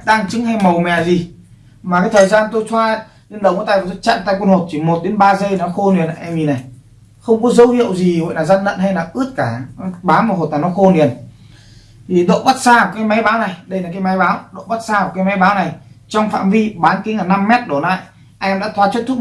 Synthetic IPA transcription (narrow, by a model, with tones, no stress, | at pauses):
ɗaː˧ŋt͡ɕɨ˨˦ŋha˧jmə˨˩wmɛ˨˩zi˨˩ | maː˨˩kaː˨˦jt̪ʰəː˨˩jzaː˧nt̪o˧jt̪ʰwaː˧ | li˧ənɗə˨˩wŋ͡məː˧˦˩t̪aː˧˨˩o˧˦t͡ɕa̰ː˧˨nt̪a̰ː˧˨kwə˧nho˨˩t̚t͡ɕ̪ʰi˧˩mo˨˩t̚ɗe˨˦nɓaː˧zə˧jnɔ˨˦xo˧ni˨˩əna̰˧˨ʔɛ˧mi˨˩na˨˩j | xə˧wŋ͡mkɔ˨˦zə˨˦whḭ˧˨əwzi˨˩və̰˧˨jlaː˨˩za˧nzə̰˧˨nha˧jlaː˨˩ʔɨ˦˥ət̚kaː˧˩ɓaː˨˦wmaː˨˩ɦo˨˩t̚aː˨˩nɔ˨˦xo˧ni˨˩ən | t̪ʰi˨˩ɗo̰˧˨ɓə˦˥t̚saː˧˨˩kaː˨˦jma˨˦jɓaː˨˦wna˨˩jɗə˧jlaː˨˩kaː˨˦jma˨˦jɓaː˨˦wɗo̰˧˨ɓa˦˥t̚saː˧ɔ˨˩kaː˨˦jma˨˦jɓaː˨˦wna˨˩jt͡ɕɔ˧wŋ͡mfa̰ː˧˨mvi˧ɓaː˨˦nki˨˦ŋaː˨˩na˧mːɛ˦˥t̚ɗo˧˩la̰ː˧˨j | ʔa˧ʔɛ˧mɗa̰ː˧˥t̪ʰwaː˨˦t͡ɕwə˦˥t̪ʰu˦˥